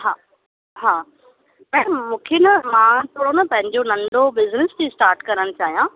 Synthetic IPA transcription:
ɦaː | ɦaː | pɐ̃mũːkʰenɐmãːt̪ʰoːɽonɐpɐ̃ɦɪ̃ɲd͡ʑonɐ̃ɳɖobɪznɪsd͡ʑisʈaːɾʈkɐɾəɽ̃t͡ɕaːɦijã

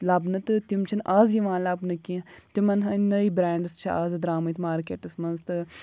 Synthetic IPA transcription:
labnɨt̪ɨt̪imt͡ʃʰinʔaːzjiʋãːnlɐbnɨkit̪imɐnɦɐnɐibɾaːɳɖɨst͡ʃʰiaːzɨd̪ɾaːmɐt̪maːɾkeːʈɨsmɐnzt̪ɨ

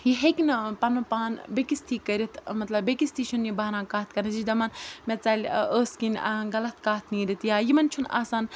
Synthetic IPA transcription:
jiɦekinpɐnɐpaːnbekist̪ʰiːkɐɾʲit̪ʰmɐt̪lɐbbekist̪ʰiːt͡ʃʰunjibaːɾãːkaːt̪̚kɐnɐd͡ʒid̪ɐmɐnmet͡saːlʲəːskinʲɡɐlɐt̪kaːt̪ʰniːɾʲit̪jaːjimɐnt͡ʃʰuna̰ːsaːn

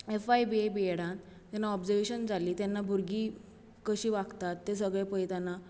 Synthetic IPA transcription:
efajbiebieɽãt̪ | t̪anːaɔbd͡zəɾʋeɕənd͡zaliːt̪janːabʱuɾɡiː | kəɕiːʋakt̪at̪ːes̬əɡɭepəjt̪ana

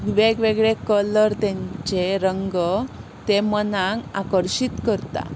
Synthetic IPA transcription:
ʋeɡʋeɡɭekələɾt̪ɛ̃ɲt͡ɕeɾəŋɡə | t̪emənãŋka̰kəɾɕit̪kəɾt̪a̰

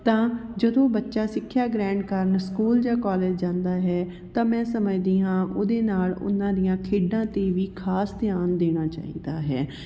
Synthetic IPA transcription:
t̪ãːd͡ʒəd̪õːbətːʃaːsɪkʰːjaːɡɾɛ̃ːɳɖkəɾənskuːld͡ʒaːkaːleːd͡ʒd͡ʒãːnd̪aːɦɛː | t̪ãːmɛ̃ːsəməd͡ʒd̪iːãːʔoːd̪eːnaːlʊ̰nãːd̪ɪjãːkʰeːɖãːt̪eːʋiːkʰaːsd̪ɪjaːnd̪eːɽ̃aːt͡ʃa̰ːḭːd̪aːɦɛ̰ː

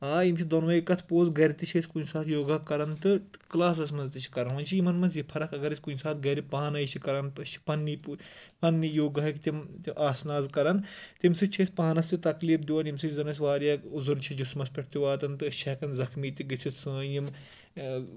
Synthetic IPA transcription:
aːimt͡ʃʰid̪onʋɐjikɐt̪ʰpoːzɡɐɾit̪it͡ʃʰeːsʲkunsaːt̪ʰjoːɡɐkːɐɾɐnt̪ɨklaːs̬ɐsmɐnzt̪it͡ʃʰi̥kɐɾɐnʋɐnt͡ʃʰijimɐnmɐnzjipʰɐɾɐkɐɡɐɾisʲkunsaːt̪̚ɡɐɾipaːnɐjt͡ʃʰikɐɾɐnpɨt͡ʃʰi̥pɐnːippɐnːijoːɡɐɦɐkt̪ʲimt̪iʔaːsnaːzkɐɾɐnt̪imsɨt͡ʃʰeːsʲpaːnɐst̪it̪ɐkliːpʰd̪iʋɐːnimsizɐnɐs̬ʲʋaːɾjauzuɾt͡ʃʰid͡ʒusmɐspʲeʈ̚ʰt̪iʋaːt̪ɐnt̪ɨt͡ʃʰɐkɐnzɐxmiːt̪iɡɨt͡sʰit̪sə̃ːnim

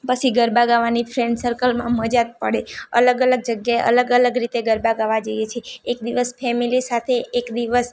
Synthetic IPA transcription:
pət͡ʃʰiɡəɾbaɡaʋanifɾɛ̃ɳɖsəɾkəlmã̰məd͡ʒad̪̚pə̰ɽeə̰ləɡələɡ̚d͡ʒəɡjaeʔə̰ləɡələɡɾit̪eɡəɾbaɡaʋad͡ʒəjet͡ʃʰeːkd̪iʋəsfʰɛmilisat̪ʰeʔːkd̪iʋəs

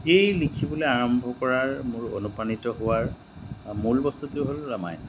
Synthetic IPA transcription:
xejlikʰibɔloaɹɔmbʱɔkɔɹaɹmʊɹo̰nupanitɔɦʊwaɹ | mulbɔst̪utiʊɦolːama̰j

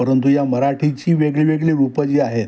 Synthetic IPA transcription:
əɾənt̪ujaməɾaʈʰit͡ɕiːʋeɡɭiːʋeɡɭiʋupəd͡ʑiːaɦet̪

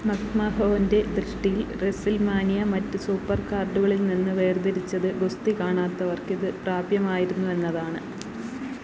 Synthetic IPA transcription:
mɐkmaɦoːɐnde̞d̪rɨʂʈijilresilmaːnijɐmɐtːɨsuːpːɐrkaːrɖuɣɐɭilninːɨʋe̞ːrd̪ɐɾit͡ɕːɐðɨɡost̪ikaːɳaːt̪ːɐʋɐrkiðɨpraːbjɐmaːjiɾunːue̞nːɐðaːɳɨ

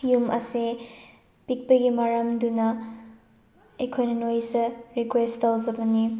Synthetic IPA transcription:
jumɐ̰se | pik̚pɐɡimɐɾɐmdunɐ | ɐjkʰojnɐnojzɐɾikwestawzɐbɐni

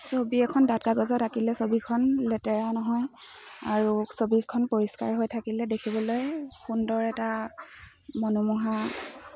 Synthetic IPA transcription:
sobiɛkʰɔndatkaɡɔzɔtakilɛsobikʰɔnlɛtɛɹanɔɦɔj | a̰ɹusobikʰɔnpoɹiska̰ɹɦojtʰakilɛdekʰibɔlojxundɔɹɛta | mɔnumuɦa

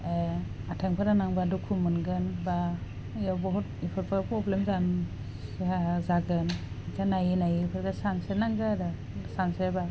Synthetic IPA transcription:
e | atʰeŋpʰɯɾanaŋbadukʰumɯnɡɯnba | jawbɔɦut̚ipʰɯɾpʰɯpɾɔblemzan | zaɡɯn | ikʰanajinajipʰɯɾɡasansenaŋɡaɾa | sanseba

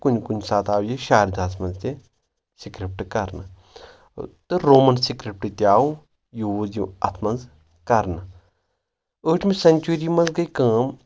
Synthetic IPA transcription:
kunkunsaːt̪aːwjeʃaːɾʲd̪ʱaːsmɐnzt̪ʲe | sikɾip̚ʈɨkɐɾnɨ | t̪ɨɾoːmɐnsikɾip̚ʈɨt̪ʲaːu | juuziɐt̪ʰmɐnz | kɐɾnɨ | əːʈʰmisɐnʲt͡ʃuɾiːmɐnzɡɐikãːm

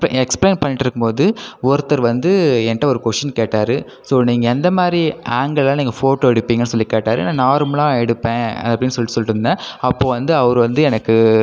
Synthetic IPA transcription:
ɛkspleːnpɐɳːɪʈːɪɾɯkːɯmpoːðɯɔɾɯt̪ːɐɾʋɐnd̪ɯɛnʈːɐɔɾɯkɔʂɐnkeːʈːaːɾɯ | soːniːŋɡɐɛnd̪ɐmaːd̪ɾiaːŋɡɐɭãːniːŋɡɐfoːʈoːɛɽɯpːiːŋɡɐnːɯsɔlːikeːʈːaːɾɯ̰nːãːnaːɾmlãːɛɽɯpːẽːɐ̰ɐpːɐɽɪnːsɔlːɪʈːɯsɔlːɪʈɾɯnɯnaːɐpːoːʋɐnd̪ɯɐʋɐɾɯʋɐnd̪ɯɛnɐkːɯ

